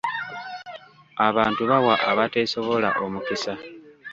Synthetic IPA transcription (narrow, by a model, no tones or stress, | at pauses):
aβaːntuβawaʔaβate̞so̞βo̞laʔo̞mukisa